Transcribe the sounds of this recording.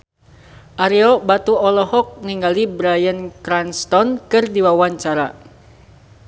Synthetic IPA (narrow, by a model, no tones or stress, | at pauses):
ʔaɾiɔbat̪uɔlɔhɔk̚niŋɡalibɾajənkɾanst̪ɔnkɨrdiwawaɲt͡ʃaɾa̰